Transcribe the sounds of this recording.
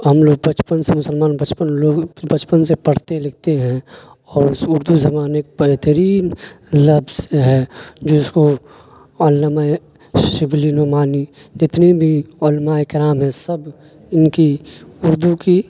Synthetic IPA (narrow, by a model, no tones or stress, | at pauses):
ɦɐmloːɡ̚bət͡ʃpənsemʊsəlmaːnbət͡ʃpənloːɡbət͡ʃpənsepɐɽ̤t̪elɐɡ̚t̪eɦɛ̃ | ɔːɾʊsʊɾd̪uzɐmaːnekbɛɦt̪əɾiːnlɐbʱzseɦɛːd͡ʒoːɪsko | ɔːlːəmaːe | ʃɪblinomaːni | d͡ʒɪt̪nebʱiolmaːekɪɾaːmɦɛ̃sɐb | ɪnkiʊɾd̪uki